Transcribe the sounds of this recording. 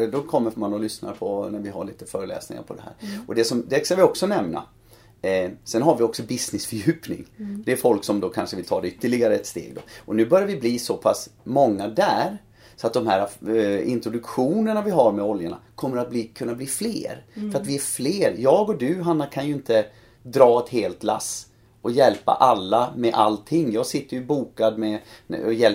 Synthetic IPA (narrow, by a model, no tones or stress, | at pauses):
d̪ɔkʰɔmːəmanɔlʏsna̰ɾpʰɔnæɾvɪɦa̰ɭiːt̪əfœːɾəlɛ̰ːsnɪŋa̰ɾpʰɔd̪ɛhæ̰ːɾɔd̪ɛsɔmd̪ɛskavɪɔksɔnɛmna̰ | sɛnɦaɾvɪɔksɔbɪsnɪsfœɾjʉ̟ːpnɪ̰ŋd̪ɛːɾfɔlksɔmd̪oːkʰanʂəvɪlt̪ʰɑ̰ːd̪ɛʏt̪ːəɭɪɡaɾəɛt̪st̪ḛːɡd̪o̰ʔɔnʉ̟ːbœɾjaɾvɪbliːsɔpʰasmɔŋːad̪æːɾ | sɔat̪̚d̪ɔmhæːɾaɪnt̪ɾʊd̪ɵkɧuːnənavɪɦaɾmɛɔljaɳa̰kʰɔmːəɾat̪̚bliːkʰɵnːabliːflḛːɾfœɾat̪vɪæɾfleːɾjɑːɡɔd̪ʉːɦanːakʰanjɵɪnt̪ə | d̪ɾɑːɛt̪heːlt̪la̰s | ɔjɛlpa̰ʔalːamɛʔalt̪ʰɪŋːjɑːɡsɪt̪ːəjɵbuːkad̪mɛɔjɛl